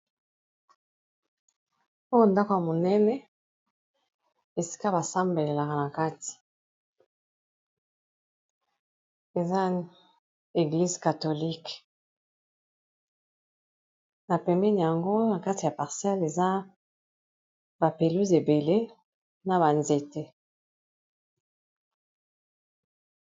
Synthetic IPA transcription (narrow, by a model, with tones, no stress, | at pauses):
o˦jo˦nda˦ko˨ja˨mo˨nɛ˦nɛ˦ | e˨si̥˦ka˦ba˨sa˦mbe˨le˨la˨ka˨na˨ka˦ti̥˨ | e˨za˦ | e˨ɡli˦zka˨to˨li˦k | na˨pɛ˨mbɛ˦ni˨ja˨ŋɡo˦na˨ka˦ti˨ja˨pa˨ʁsjɛ˦le˨za˦ | ba˨pe˨lu˦ze˨be˨le˦ | na˨ba˨nze˨te˨